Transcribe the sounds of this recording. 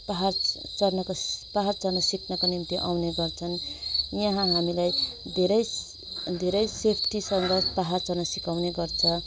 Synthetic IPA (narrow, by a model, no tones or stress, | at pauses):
paɦart͡sʌrnʌkopaɦart͡sʌrnʌsikʰnʌkonint̪iʔa̰wneɡʌrt͡sʰʌnjʌɦãɦamilajd̪ʱeɾʌj | d̪ʱeɾʌjsepʰʈisʌŋɡʌt͡sʰpaɦart͡sʌrnʌsikawneɡʌrt͡sʰʌ